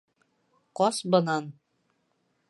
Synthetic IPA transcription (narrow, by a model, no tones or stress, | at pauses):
qɒsbɤ̆nɑn